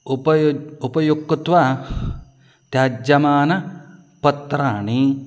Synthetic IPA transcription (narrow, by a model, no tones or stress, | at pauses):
upɐupɐjukːt̪ʋa | t̪jaːd͡ʒɐmaːnɐ | pɐt̪ɾaːɳi